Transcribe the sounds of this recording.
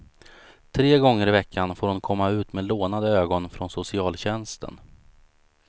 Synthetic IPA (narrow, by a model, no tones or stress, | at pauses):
t̪ʰɾeːɡɔŋːəɾɪvɛkʰːanfoːɾhʊnkʰɔmːaʉ̟ːt̪meːd̪loːnad̪əøːɡɔnfɾɔnsʊsɪɑːlɕɛnst̪ə̰n